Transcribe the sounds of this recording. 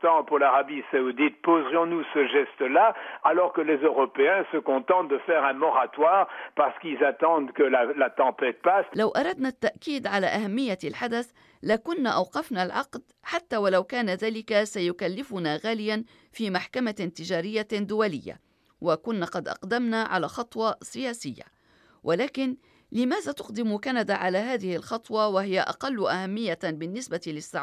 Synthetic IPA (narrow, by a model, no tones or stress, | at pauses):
t̪ɑ̃puʁlaʁabisaud̪it̪̚pozʁjɔ̃nusəʒɛst̪əlaalɔʁkəlezøʁɔpeɛ̃səkɔ̃t̪ɑ̃t̪̚d̪əfɛʁɛ̃mɔʁat̪waːʁpaʁsə̥kilzat̪ɑ̃d̪kəlalat̪ɑ̃pɛt̪̚paslawʔɑɾˤɑd̪nat̪ːaʔkiːd̪ʕalaːʔahamːɪjːalħad̪aθ | lakʊnːaʔɑwqɑfnalʕɑqd̪ħat̪ːaːwalawkaːnaðaːlɪkasajʊkalːɪfʊnaːɣaːlɪjan | fiːmaħkamat̪ɪd͡ʒaːɾɪjːad̪ʊwalɪjːa̰ | wakʊnːaqɑd̪ʔɑ̰qd̪amnaʕa̰laːxɑt̪ˤwɑsɪjaːsɪjːa̰ | wʔalaːkɪn | lɪmaːðat̪ʊqd̪ɪmkanad̪aʕalaɦaːðɪhɪlxɑt̪ˤwɑwahɪjaʔɑ̰qɑlːʊʔahamːɪjːabɪnːɪsbat̪ilɪsːa̰ʕ